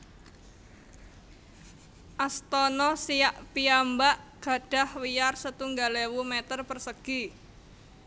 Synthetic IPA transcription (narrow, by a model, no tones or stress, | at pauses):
ʔast̪ɔnɔsijaʔpiambaʔɡ̥a̤ɖ̥a̤hwijarsət̪uŋɡalewumet̪ərpərsəɡ̥i